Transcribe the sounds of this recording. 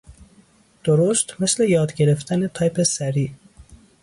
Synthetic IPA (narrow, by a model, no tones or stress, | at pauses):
d̪̥oɾost̪mɪslejɑːd̪ɡeɾeft̪ʰanet̪ʰɑjpesæɾiː